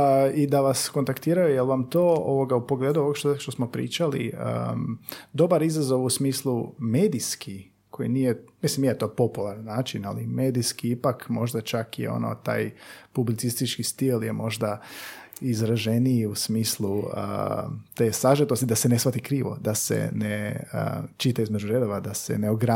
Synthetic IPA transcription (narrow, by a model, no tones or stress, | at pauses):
id̪aʋasko̞nt̪akt̪iːɾajujelˠʋamt̪oːoʋo̞ɡaupo̞ɡle̞ːd̪uoɡʃtʃt̪osmo̞pɾḭːt͡ʃalḭə̰ | d̪o̞baɾizazo̞ʋusmiːslˠumeːd̪iski | kʰojḭnijemislimjijet̪o̞po̞pulˠaɾanːaːt͡ʃina̰lḭmeːd̪iskiipakmo̞ʒd̪at͡ʃakjḛo̞̰no̰t̪a̰ːjpublit̪sist̪it͡ʃkist̪ilje̞mo̞ʒd̪a | izɾaʒe̞nijiusmiːslˠuə̰t̪eːsaʒet̪o̞st̪id̪asene̞sʋat̪ikɾiːʋo̞̰d̪asḛneə̰t͡ʃit̪aizmed͡ʒuɾe̞d̪oʋad̪ase̞̰neoɡɾa